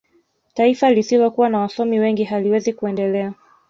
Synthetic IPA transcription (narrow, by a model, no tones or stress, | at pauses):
taifalisilɔkuwanawasɔmiwɛŋɡiɦaliwɛzikuɛndɛlɛa